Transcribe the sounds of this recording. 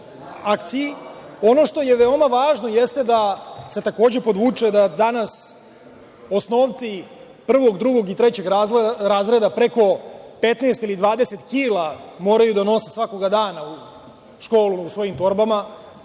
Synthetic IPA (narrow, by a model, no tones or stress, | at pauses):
akt̪sijio̞no̞ʃt̪o̞je̞ʋeo̞maʋaːʒno̞jest̪ed̪ase̞t̪ako̞ːd͡ʑe̞po̞d̪ʋuːt͡ʂed̪ad̪anas | o̞sno̞ːʋt̪si | pr̩ʋo̞ɡd̪ɾuɡo̞ɡit̪ɾe̞t͡ɕe̞ɡɾɾaːzɾe̞d̪apɾe̞ko̞pet̪neːst̪ilid̪ʋaːd̪ese̞t̪kiːlˠamo̞ːɾajud̪ano̞sesʋako̞ɡad̪aːnau | ʃko̞ːluusʋo̞jimt̪o̞ɾbama